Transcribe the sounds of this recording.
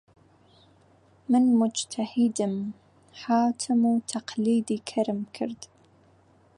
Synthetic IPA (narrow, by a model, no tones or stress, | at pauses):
mɨnmʊd͡ʒt̪ʰahid̪ɨm | ħaːt̪ʰɪmuːt̪ʰaqliːd̪iːkʰɐɾɨmkʰɨ̰ɾd̪̥